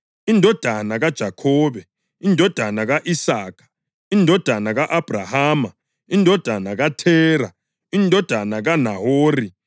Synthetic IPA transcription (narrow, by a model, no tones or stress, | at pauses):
indʱɔd̥ʱanaɣad̥ʒ̥ʱakʰɔːβɛ | indʱɔd̥ʱanaɣaʔisaːkʰḁ | indʱɔd̥ʱanaɣaʔab̥ʱrahaːma | indʱɔd̥ʱanaɣatʰɛːɾa | indʱɔd̥ʱanaɣanahoːri